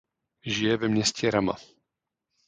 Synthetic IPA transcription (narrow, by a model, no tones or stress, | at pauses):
ʒijɛvɛmɲɛscɛɾama̰